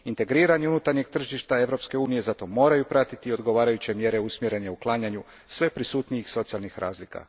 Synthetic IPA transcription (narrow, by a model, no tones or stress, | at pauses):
int̪e̞ɡɾiːɾaɲeunut̪aɾɲe̞ɡ̚t̪r̩ʒiʃt̪ae̞ʋɾo̞pske̞uːnije̞zat̪o̞mo̞ːɾajupɾat̪it̪io̞d̪ɡo̞ʋaːɾajut͡ɕe̞mje̞ɾe̞usmjeɾe̞neuklˠaːɲaɲu | sʋe̞pɾisuːt̪nijixso̞t̪sialnixɾʔa̰ːzlika̰